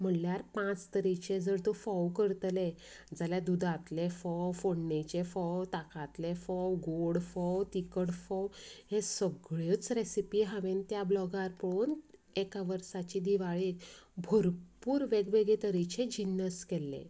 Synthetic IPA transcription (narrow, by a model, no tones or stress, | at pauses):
m̤əɳljaɾpãt͡st̪əɾit͡ɕed͡zəɾt̪ofɔwkəɾt̪le | d͡zaljad̪ud̪ʱat̪lefɔwfoɳnet͡ɕefɔwt̪akat̪lefɔwɡoɽfɔwt̪ikəɽfɔwhesəɡɭet͡sɾesipiɦaʋent̪jablɔɡaɾpəɭuːnekaʋəɾsat͡ɕid̪iʋaɭibʱoɾpuːɾʋeɡʋeɡet̪əɾit͡ɕed͡ʑinəskelːḛ̃